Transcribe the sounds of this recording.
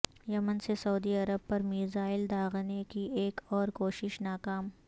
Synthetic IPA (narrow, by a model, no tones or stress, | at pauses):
jɐmənsesɐːd̪iɐɾəb̚pɐɾmiːzaːɪld̪aːɣnekieːkɔːɾkoːʃɪʃnaːkaːm